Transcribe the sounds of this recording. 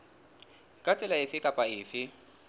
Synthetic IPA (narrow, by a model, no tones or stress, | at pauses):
kʼat͡sʼɪlaɪfɪkʼapʼaɪːfɪ